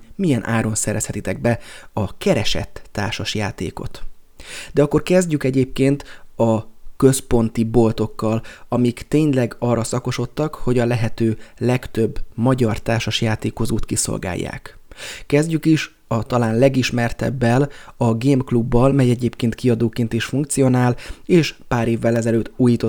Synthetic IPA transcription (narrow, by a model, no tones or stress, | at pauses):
mijɛnʔaːɾo̞nsɛɾɛshɛt̪it̪ɛɡ̚bɛɒkɛɾɛʃɛ̰t̪ːaːrʃɒʃjaːt̪ḛːko̞̰t̪ | d̪̥ɛɒkːo̞rkɛzɟykɛɟeːp̚keːnt̪ɒkø̞spo̞nt̪ibo̞lt̪o̞kːɒlɒmikt̪eːɲlɛɡɒrːɒsɒko̞ʃo̞t̪ːɒkho̞ɟɒlɛɦɛt̪øːlɛkt̪øbːmɒɟɒrt̪aːrʃɒʃjaːt̪eːko̞zoːt̪kiso̰lɡa̰ːjːa̰ːk | kɛzɟykiʃ | ɒt̪ɒlaːnlɛɡiʃmɛrt̪ɛ̰bːɛlɒɡeːmklubːɒlmɛjɛɟeːpkeːnt̪kiɒd̪oːkeːnt̪iʃfuŋk̚t̪sijo̞naːleːʃpaːɾeːvːɛlɛzɛløːt̪ːuːjiːt̪o